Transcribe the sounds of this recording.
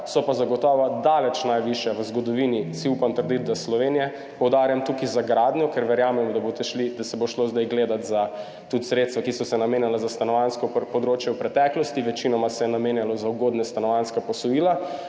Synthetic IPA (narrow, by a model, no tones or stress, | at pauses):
sɔpazaɡɔt̪ɔːʋad̪aːlɛt͡ʃnajʋiʃjaʋəzɡɔd̪ɔʋinisiupamt̪əɾd̪it̪̚d̪aslɔʋenijɛ | pɔwd̪aːɾjamt̪ukizaɡɾad̪nʲjɔkɛɾʋɛɾjaːmɛmd̪abot̪ɛʃlid̪asɛboʃlozd̪ajɡleːd̪at̪za | t̪ut̪sɾet̪st̪ʋakisɔsɛnameːnjalazast̪anɔʋanskɔpɔd̪ɾoːt͡ʃjɛwpɾɛt̪ɛklɔst̪iʋɛt͡ʃinɔmasɛjɛnameːnjalɔzawɡoːd̪nɛst̪anɔʋanskapɔsɔjiːla